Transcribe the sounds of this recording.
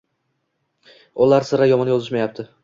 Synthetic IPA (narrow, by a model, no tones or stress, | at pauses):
ʊlˠaɾsɪɾajɒmɒnjɒzɪʃmajap̚t̪ʰɪ